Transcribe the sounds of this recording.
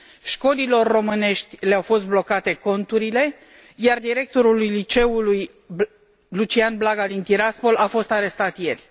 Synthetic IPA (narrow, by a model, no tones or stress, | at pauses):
ʃko̞lilo̞rːo̞mɨne̞ʃt̪ʲleawfo̞st̪̚blo̞kat̪e̞ko̞nt̪uɾile̞ | jard̪iɾe̞k̚t̪o̞ɾulujlit͡ʃe̞uluj | lut͡ʃianblaɡad̪int̪iɾaspo̞lafo̞st̪aɾe̞st̪at̪je̞rʲ